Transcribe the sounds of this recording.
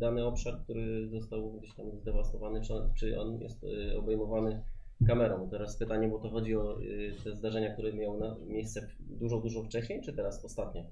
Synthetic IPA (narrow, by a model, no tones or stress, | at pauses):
d̪anɘɔpʂaɾk̚t̪uɾɘzɔst̪awɡd͡ʑeɕt̪amzd̪ɛvast̪ɔvanɘt͡ʂt͡ʂɘʔɔ̰njɛ̰st̪ɔ̰bɛjmɔvanɘ | kamɛɾɔ̃mt̪ɛɾaspɘt̪aɲɛbɔt̪ɔxɔd͡ʑiɔt̪ɛzd̪aʐɛɲakt̪uɾɛmʲjawnamʲjejst̪sɛ | d̪uʐɔd̪uʐɔft͡ʂɛɕɲejt͡ʂɘt̪ɛɾasɔst̪at̪ɲɛ